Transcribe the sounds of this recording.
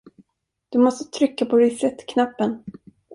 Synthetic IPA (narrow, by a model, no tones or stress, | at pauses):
d̪̥ɵmɔst̪ət̪ʰɾʏkːapʰɔd̪ɛsɛt̪ːkʰnapːən